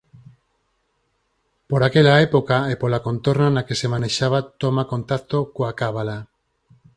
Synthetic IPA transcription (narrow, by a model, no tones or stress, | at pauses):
poɾakeʎaepokaepolako̞nt̪oɾnanake̞semaneʃaβ̞at̪omakont̪ak̚t̪okoakaβala